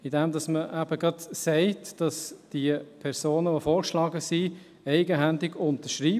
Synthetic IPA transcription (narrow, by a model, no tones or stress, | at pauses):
ɪdɛmdɑsməʔæb̥əɡɑtsɛɪtd̥ɑsd̥iəpʰɛɾsoːnəʋofoːʁʃlɑːɡəsi | ɛɪɡəɦændɪɡʊnt̪əʃʁiː